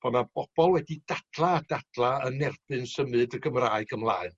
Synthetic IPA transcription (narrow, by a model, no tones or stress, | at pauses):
b̥ɔnab̥ɔb̥ɔlˠwɛdid̥ad̥lˠaːd̥ad̥lˠaənːɛrb̥ɨnsəmɨdəɡəmraːɨɡəmlˠaːɨn